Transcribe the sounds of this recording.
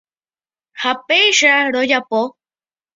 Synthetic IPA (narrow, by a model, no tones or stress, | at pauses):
hapejʂaɽojapo